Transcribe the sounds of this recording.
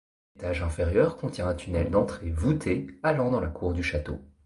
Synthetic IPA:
et̪aʒɛ̃fɛʁjœʁkɔ̃t̪jɛ̃ɛ̃t̪ynɛld̪ɑ̃t̪χevut̪ʰealɑ̃d̪ɑ̃lakʰuʁd̪yʃat̪o̰

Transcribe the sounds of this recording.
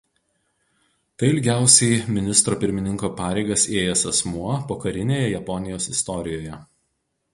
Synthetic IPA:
t̪ɐɪɪlʲɡʲæˑʊsʲɛɪmʲɪnʲɪst̪ɾoːpʲɪɾʲmʲɪnʲɪŋkoːpɑːɾʲɛɪɡɐseːjɛsɐsmuɔpoːkɐɾʲɪnʲeːjɛjɛpɔnʲɪjoːsɪst̪ɔɾʲɪjoːjɛ

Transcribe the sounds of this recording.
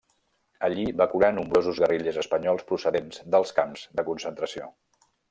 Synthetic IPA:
əʎiβakuɾanumbɾozuzɣəriʎəzəspəɲɔlˠspɾusəðenzd̪əlˠskamzðəkunsənt̪ɾəsio̰

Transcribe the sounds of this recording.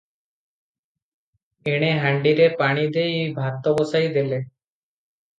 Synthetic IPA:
eɽ̃eɦaɳɖiɾepaɽ̃id̪ejbʱat̪ːɔbosajd̪ele

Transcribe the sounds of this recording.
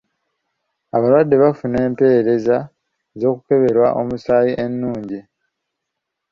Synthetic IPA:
aβalwadːe̞βafune̞ːmpe̞eɾe̞za | zo̞ːkuke̞βe̞ɾwaʔo̞̰musaːjiʔe̞nːuːɲɟi

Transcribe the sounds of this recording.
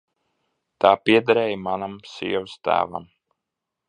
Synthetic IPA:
t̪aːpiɛd̪aɾɛːjmanamsiɛvɨst̪æ̰ːva̰m

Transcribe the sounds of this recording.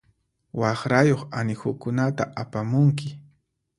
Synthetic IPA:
wɑχɾajoχanɪxʊkʊnat̪aʔapamʊŋk̬ɪ

